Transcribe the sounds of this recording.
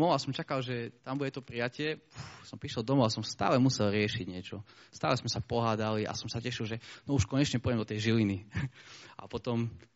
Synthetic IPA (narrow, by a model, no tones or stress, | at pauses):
mɔasɔmt͡ʃakalʒɛt̪ambuɟɛt̪ɔpɾijacɪɛusɔmpɾiʃɛld̪ɔmɔasɔmst̪a̰ːlɛmusɛlɾɪɛʃiɟɲɪɛt͡ʃɔst̪a̰ːlɛsmɛsapɔɦaːd̪aliʔa̰sɔmsacɛʃilʒɛnɔuʃkɔɲɛt͡ʃɲɛpɔjɛmd̪ɔt̪ɛjʒilini | ʔa̰pɔt̪ɔm